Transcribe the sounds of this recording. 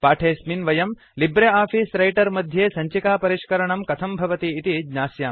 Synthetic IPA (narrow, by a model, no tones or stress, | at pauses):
paːʈʰeːsminʋɐjɐm | libɾeaːpʰiːsɾɐjʈɐɾmɐd̪ʱjeːsɐɲt͡ʃikaːpɐɾiʃkɐɾɐɳɐmkɐt̪ʰɐmbʱɐʋɐt̪iːt̪id͡ʒɲaːsjaːm